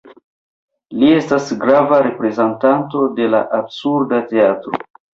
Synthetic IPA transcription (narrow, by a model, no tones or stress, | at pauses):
lie̞stasɡɾavaɾe̞pɾe̞zantanto̞de̞la̰ʔabsuɾdate̞atɾo̰